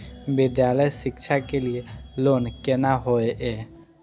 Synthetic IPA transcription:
bɪd̪jaləjsɪkt͡ʃʰakelielonkenaɦoeʔɛ

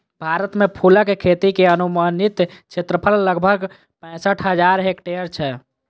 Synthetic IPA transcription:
bʱaɾət̪mepʰuləkekʰet̪ikeənumənit̪t͡ʃʰet̪ɾəpʰəlːəɡbʱəɡ | pə̃səʈʰɦəd͡ʒaɾɦekʈeəɾt͡ʃʰɛ

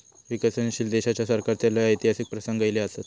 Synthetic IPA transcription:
ʋikasenɕiːld̪eɕat͡ɕjasaɾkaɾt̪jalaəjt̪iɦasik̚pɾəsəŋɡajleasat̪

